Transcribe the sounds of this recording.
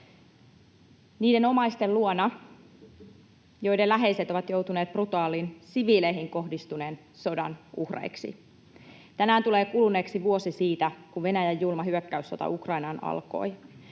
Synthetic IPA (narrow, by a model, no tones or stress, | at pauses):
niːde̞no̞mɑjst̪elluonɑ | jo̞jdelæɦe̞iset̪oʋɑt̪jo̞wt̪une̞ːt̪̚prut̪ɑːlinsiʋiːlejɦiŋko̞hdist̪une̞ːn | so̞dɑ̰nʔuhrḛiksḭ | t̪ænæːnt̪ule̞ːkuluneːksiʋuo̞sisiːt̪ækuʋe̞næjæjːulmɑɦyøkːæysːot̪ɑ̰ukrɑinɑnɑ̰lko̞̰j